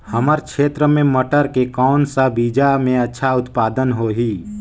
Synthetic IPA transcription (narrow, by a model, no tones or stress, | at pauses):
həməɾkʃʰeːt̪ɾəmẽməʈəɾkekɔːnsabiːd͡ʒamẽɐtːʃʰaʊt̪paːd̪ənɦoɦiː